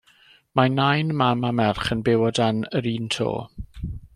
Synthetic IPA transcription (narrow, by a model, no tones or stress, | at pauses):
manajnmamamɛrχənbɪwɔdanəɾiːntʰo̰ː